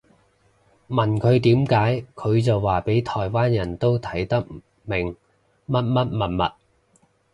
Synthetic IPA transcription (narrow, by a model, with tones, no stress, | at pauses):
mɐ˨˩nkʰɵ˨˧ɥt̪iː˨˥mkaː˨˥jkʰɵ˨˧ɥt͡sɐ˨wːaː˨pe˨˥jt̪ʰɔː˨˩jwaː˥njɐ˨˩nt̪o˥wt̪ʰɐ˨˥jt̪ɐ˥k̚ | mɪ˨˩ŋ | mɐ˥t̚mɐ˥t̚mɐ˨˩nmɐ̰˨t̚